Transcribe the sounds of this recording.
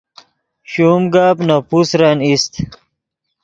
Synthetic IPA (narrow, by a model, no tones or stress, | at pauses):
ɕuːmɡaːbnapusɾanist̪